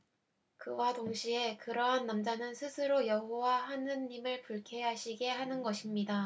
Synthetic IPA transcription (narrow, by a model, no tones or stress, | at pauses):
kɯwadoŋɕʰie̞kɯɾʌɦanːamd͡ʑanɯnsʰɯsʰɯɾojʌɦowahanɯnːimɯɭpuɭkʰe̞ɦaɕʰiɡe̞ɦanɯnɡʌɕʰimɲida